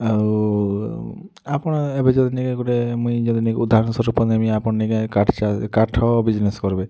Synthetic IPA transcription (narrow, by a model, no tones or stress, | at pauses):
au | apɔɽ̃ɔebed͡ʒɔd̪inikekuɽemũjd͡ʒɔd̪inikeud̪ʱaɾɔnsɔɾupɔnemiapɔɽniɡekaʈʰt͡ʃakaʈʰɔbid͡ʒneskɔɾbe